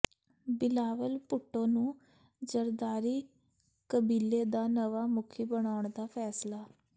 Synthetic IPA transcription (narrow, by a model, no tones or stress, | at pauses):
bɪlaːʋəlpʊʈːõːnũː | zəɾd̪aːɾiː | kəbiːlːeːd̪aːnəʋaːmʊkʰiːbəɳaːʊɳd̪aːpʰɛːslaː